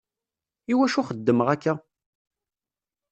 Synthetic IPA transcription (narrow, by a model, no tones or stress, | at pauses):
iwæʃuχəd̪ːəməʁækːæ